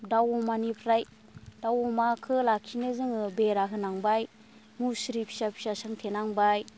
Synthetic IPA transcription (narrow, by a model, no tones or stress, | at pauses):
dawɔmanipʰɾaj | d̥awɔmakʰɯlakʰinɯzɯŋɯbeɾaɦɯnaŋbaj | musɾipʰi̥sapʰi̥sasaŋtʰenaŋbaj